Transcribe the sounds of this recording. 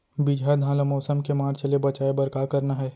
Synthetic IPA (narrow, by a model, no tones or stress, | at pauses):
bid͡ʒʱad̪ʱãːlamɔːsəmkemaːɾt͡ʃɐlebɐt͡ʃaːebɐɾkakɐɾnaɦɛː